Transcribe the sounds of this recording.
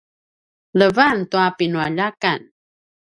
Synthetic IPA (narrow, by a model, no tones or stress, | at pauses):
ləvantuapinuaʎaka̰n